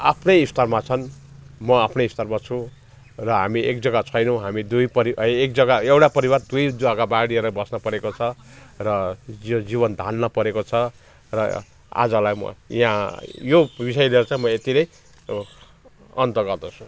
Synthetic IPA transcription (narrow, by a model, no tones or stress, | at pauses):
apʰnʌjist̪ʌrmat͡sʰʌn | mʌapʰnʌist̪ʌrmat͡sʰu | rʌɦamiʔek̚d͡zʌɡat͡sʰʌjnʌw̃ɦamid̪ujpʌɾiek̚d͡zʌɡaewʈapʌɾiβart̪ujd̪uakabãɽiʌɾʌbʌsnʌpʌɾekot͡sʰʌrʌod͡ziβʌnd̪ʱalnʌpʌɾekot͡sʰʌ | rʌ | a̰d͡zʌlajmʌ̰ḭɦãjobisʌjleɾʌt͡sãj̃mʌet̪iɾʌj | ʌnt̪ʌɡʌrd̪ʌt͡sʰu̥